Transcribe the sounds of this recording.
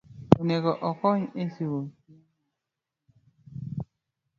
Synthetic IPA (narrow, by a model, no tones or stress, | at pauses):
oneɡɔʔɔkɔɲesiwo